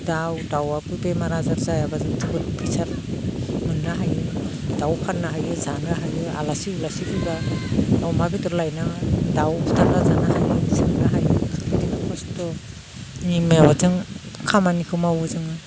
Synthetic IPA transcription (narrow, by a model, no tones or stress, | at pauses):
dawdawapubemaɾazaɾzajabazɯŋtʰulpʰisaɾ | mɯŋːaɦajɯdawpʰannaɦajɯzanaɦajɯa̰lasiulasipʰuɡadawmabitɔɾlajnadawstʰaɾɡazanaɦajɯsɯŋɡaɦajɯkʰɯbidiŋakʰɔstɔ | nimajawazɯŋ | kʰamanikʰɯwmawɯzɯŋa